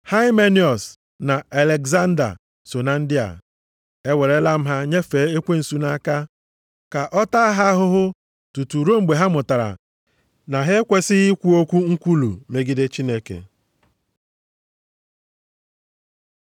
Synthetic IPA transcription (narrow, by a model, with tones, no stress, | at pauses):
ha˦ɪ˦me˦ni˨ɔ˨s | na˨a˨le˨ɡza˦n̩˦da̰˨ | so˨na˨n̩˦dɪ˦a̰˨ | e˦we˨ɾe˨˦la˦m̩˦ɦa˦ɲe˦fe˨˦e˦kʷe˦n̩˨su˦na˦ka˦ | ka˨ʔɔ˦ta˦a˦ɦa˦ɦʊ˦ɦʊ˦ | tu˨tu˨ɾo˦ŋ͡m̩˨ɡ͡be˨ɦa˦mʊ˨ta˨ɾa̰˨ | na˨ɦe˦kʷe˦sɪ˦i˦kʷu˦o˦kʷu˦ŋ̩˦kʷu˦lṵ˨me˨ɡi˦de˦t͡ʃi˦ne˦kḛ˨